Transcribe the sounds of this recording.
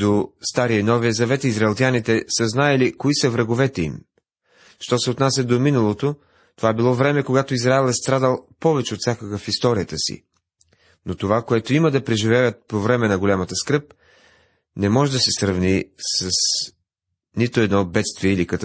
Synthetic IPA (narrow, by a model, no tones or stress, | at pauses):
d̪ost̪aɾiənɔviəzɐvɛt̪izɾɐɛlˠt̪ʲanit̪ɛsəznaɛlikoisəvɾɐɡovɛt̪ɛḭm | ʃt̪ɔsɛot̪nasʲəd̪ominɐlˠot̪o | t̪ovabilˠɔvɾɛmɛkoɡat̪oizɾaɛlˠɛst̪ɾad̪əlˠpɔvɛt͡ʃɛot̪sʲjakəkəfist̪ɔɾijət̪əsḭ | not̪ovakoɛt̪oiməd̪ɐpɾɛʒivɛvət̪̚povɾɛmɛnɐɡolʲamət̪əskɾɤp̚ | nɛmɔʒɛd̪ɐsɛsɾəvnisəs | nit̪oɛd̪nɔbɛt̪st̪viɛilikɐt̪